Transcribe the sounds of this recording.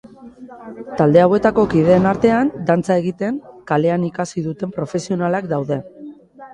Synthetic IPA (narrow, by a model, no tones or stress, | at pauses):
t̪ald̪e̞awe̞t̪ako̞kið̞e̞ːnaɾt̪e̞and̪ant͡sae̞ɣ̞it̪e̞ŋkale̞anikasiðut̪e̞mpɾo̞fe̞sio̞nalakd̪awðe̞